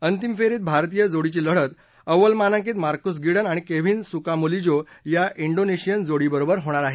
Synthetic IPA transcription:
ənt̪imfeɾiːt̪̚bʱaɾt̪ijəd͡zoɽit͡ɕiːləɽ̤ət̪ | əʋəlmanãŋk̬iːt̪maɾkus̬ɡiɽənaɽ̃ikeʋinsukamulid͡ʑojaʔiɳɖoneɕijənd͡zoɽibəɾobəɾɦoɽ̃aɾaɦe

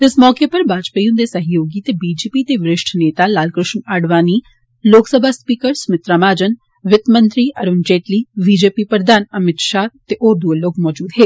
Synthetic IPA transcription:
ɪsmɔːkepɐɾbʱaːd͡ʒpəjũnd̪esɐɦjoːɡit̪ebiːd͡ʒeːpit̪eʋɾɪʃʈʰneːt̪alaːlkɾɪʃnaːɖʋaːniː | loːksəbʱaːspiːkəɾsmɪt̪ɾamaːd͡ʒən | ʋɪt̪mə̃nt̪ɾiʔɐɾʊnd͡ʒeːʈliːbiːd͡ʒeːpipɾəd̪ʱaːnɐmɪt̪ʃat̪eʔoːɾd̪uəloːkmɔːd͡ʒuːd̪ɦeː

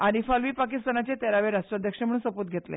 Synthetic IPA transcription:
aɾifalʋiːpakist̪anat͡ɕet̪ɛɾaʋeɾaʂʈɾad̪ʱjəkʂem̤əɽuːnsəpuːt̪̚ɡʱet̪lḛ

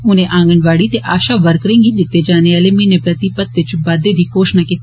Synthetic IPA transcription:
ʊnẽːʔãːŋɡənʋaːɽiːt̪eʔaːʃaːʋəɾkəɾẽːŋɡiːd̪ɪt̪ːeːd͡ʒaːneːaːleːmenẽpɾət̪ipət̪ʋɪt͡ʃbaːd̪eːd̪iːkoːʃnaːkɪt̪

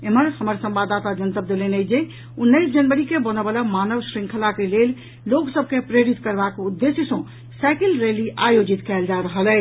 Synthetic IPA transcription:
eməɾhəməɾsəmbad̪at̪ad͡ʒənt̪əb̚d̪elenɛd͡ʒe | unːəɪsd͡ʒənbəɾikebənəbəlamanəʋsɾĩŋkʰəlakelel | loksəb̚kepɾeɾit̪kəɾbakud̪ːesjəsə̃ | sakilɾeliʔajod͡ʒit̪kɛld͡ʒaɾəɦəlɛ

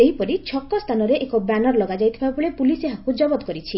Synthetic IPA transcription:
eɦipɔɾit͡ʃʰɔkːɔst̪ʰanɔɾeʔekɔbanɔɾlɔɡad͡ʒajt̪ʰibabɔɭepuliseɦakud͡ʒɔbɔd̪ɔkɔɾit͡ʃʰi

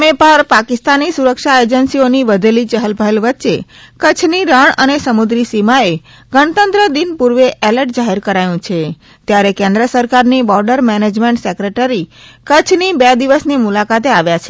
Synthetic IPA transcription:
mepəɾpakist̪anisuɾəkʃaed͡ʒənsioniʋəd̪ʱelit͡ʃəɦəlbʱəlʋətːʃe | kət͡ʃʰniɾaɳənesəmud̪ɾisimae | ɡəɳ̃t̪ənt̪ɾəd̪inpuɾʋeʔɛləɾʈ̚d͡ʒaɦeɾkəɾajũt͡ʃʰe | t̪jaɾekẽnd̪ɾəsəɾkaɾnibɔɾɖəɾmɛned͡ʒmẽɳʈsɛkɾeʈəɾikət͡ʃʰnibɛd̪iʋəsnimulakat̪eaʋjat͡ʃʰe

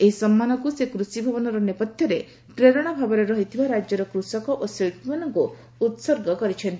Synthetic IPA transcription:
eɦisɔmːanɔkusekɾusibʱɔbɔnɔɾɔnepɔt̪ʰjɔɾe | pɾeɾɔɽ̃ɔbʱabɔɾeɾɔɦit̪ʰibaɾad͡ʒjɔɾɔkɾusɔkɔʔoseɭʈmanɔŋku | ut̪sɔɾɡɔkɔɾit͡ʃʰent̪i

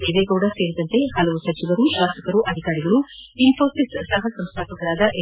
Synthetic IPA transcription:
eːʋeːɡɐwɽɐse̞ːɾid̪ɐnt̪e̞hɐlɐʋusɐt͡ʃiʋɐɾuʃʋaːst̪ɐkɐɾuʔɐd̪ʱikaːɾiɡɐɭuimfʰoːsissɐɦɐsɐmst̪ʰaːpɐkɐɾaːd̪ɐʔe

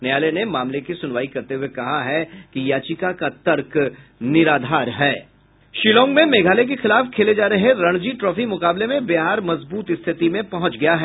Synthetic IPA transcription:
nejaːlenemaːmlekisʊnʋaːikɐɾt̪eɦʊekɐɦaɦɛkijaːt͡ʃikakat̪ɐɾk | nɪɾaːd̪ʱaːɾɦɛː | ʃiːlɔ̃ːŋɡmẽmeːɡʱaːlek̬exɪlaːfkʰeːled͡ʒaːɾɐɦeɾɐ̃ɽ̃d͡ʒiːʈɾɔːfimʊkaːblemẽbeɦaːɾmɐzbuːt̪ɪst̪ʰɪt̪imẽpɐɦʊ̃t͡ʃɡɐjaɦɛː

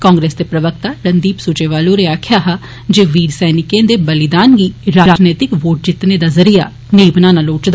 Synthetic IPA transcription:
kãːŋɡɾeːsd̪eːpɾəʋək̚t̪aːɾənd̪iːpsut͡ʃeːʋaːlõɾeaːkʰɪjaːɦaː | d͡ʒeːʋiːɾsɛːnɪkẽːd̪eːbəlɪd̪aːnɡiːɾaːaːd͡ʒneːt̪ɪkʋoːʈ̚d͡ʒɪt̪neːd̪aːzəɾiːa̰ː | neːbnaːnaloːt͡ʃd̪a

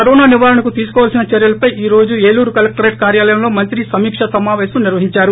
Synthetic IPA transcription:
ɐɾɔːnaːniʋaːɾɐnɐkut̪iːsu̥kɔːʋalsinɐt͡ʃɛɾjɐlɐpɐjiːɾo̞ːd͡ʒueːluːɾukɐlɐk̚ʈɐɾeːʈkaːɾjaːlɐjɐmlo̞ːmɐnt̪ɾisɐmiːkʂɐsɐmaːʋɛːsɐmniɾʋɐɦiɲt͡ʃaːɾu

